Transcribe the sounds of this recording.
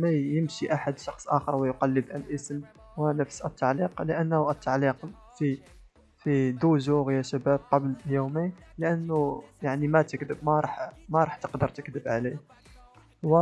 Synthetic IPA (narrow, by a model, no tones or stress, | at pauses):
mæjəmʃiʔaħad̪ʃɑxsˤʔæxəɾˤwəjʊqɑlːəd̪ælʔəsəm | wənəfsʔət̪ːaʕliqləʔənːhʔət̪ːaʕliq | fi | fid̪uʒuɣjæʃæbæb̚qɑbljuminləʔənːʊjaʕnimæt̪əkd̪əbmæɾˤɑħmæɾˤɑħt̪əqd̪əɾˤt̪əkd̪əbʕali | wə